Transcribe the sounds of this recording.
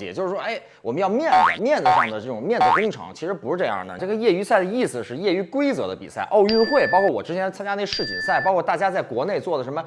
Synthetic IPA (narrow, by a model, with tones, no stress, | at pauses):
jɛ̰˨˩t͡ɕjo˥˧ʊʂɻ̩˥˧˩ʂwɔ˥ʔe˥˩ɪ | wɔ˨˩mə˦jɑ˥˧ʊmjɛ˥˩nd͡zə̰˩mjɛ˥˩nd̪ə˩ʈ͡ʂd̪ə˩ʈ͡ʂɤ˥˩ʈ͡ʂʊ˨˩ŋmjɛ˥˧nd͡zə˧˩kʊ˥ŋʈ͡ʂʰɤ̰˧˥ŋt͡ɕʰi˧˥ʂɻ̩˧˥pu˧˥ʂɻ̩˥˧ʈ͡ʂɤ˥˧jɑ̰˥˩nə̰˩ʈ͡ʂɤ˥˩ɡə˩jɛ˥˩y˧˥sa˥˩ɪd̪ə˩i˥˩sɹ̩˨˩ʂɻ̩˥˧jɛ˥˩y˧˥kwe˥ɪt͡sɤ˧˥d̪ə˧pi˨˩sa̰˥˩ɪʔo˥˧ʊy˥˧nxwe˥˩ɪpɑ˥kʰɔ˥˩wɔ̰˨˩ʈ͡ʂɻ̩˥t͡ɕʰjɛ˧˥nt͡sʰa˥nt͡ɕja˥ne˥˧˩ɡə˧ʂɻ̩˥˩t͡ɕʰḭ˨˩ə˩sa˥˩ɪpɑ˥ʊkʰwt̪a˥˩t͡ɕja˥t͡sa˥˩ɪkwɔ˧˥ne˥˩ɪt͡swɔ˥˩d̪ə˩ʂə˧˥nmə˧